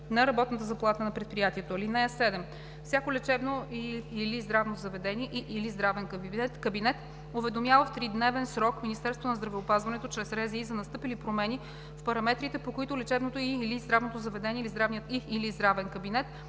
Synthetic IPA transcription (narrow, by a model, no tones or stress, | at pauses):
nɐɾɐbɔt̪nət̪əzɐplˠat̪ənɐpɾɛt̪̚pɾijat̪iɛt̪oilinɛɛsɛd̪ɛm | fsʲjakolɛt͡ʃɛbnoiilizd̪ɾavnozɐvɛd̪ɛniɛʔiʔilizd̪ɾavɛnk̪kɐbinɛt̪ | ovɛd̪omjavəft̪ɾid̪nɛvɛnsɾɔkminist̪ɛɾst̪vonɐzd̪ɾɐvɛopazvɐnɛt̪ot͡ʃɾɛsɾɛziːzɐnɐst̪ɤpilipɾomɛni | fpɐɾɐmɛt̪ɾit̪ɛpokoit̪ʊlɛt͡ʃɛbnot̪oilizd̪ɾavnot̪ozɐvɛd̪ɛniɛilizd̪ɾavnijət̪iːlizd̪ɾavɛnkɐbinɛt̪